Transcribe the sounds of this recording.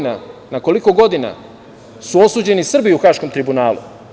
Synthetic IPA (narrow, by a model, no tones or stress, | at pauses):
nanako̞liko̞ɡo̞d̪ina̰ | suo̞suːd͡ʑe̞nisr̩biuxaʃko̞mt̪ɾibunaːlṵ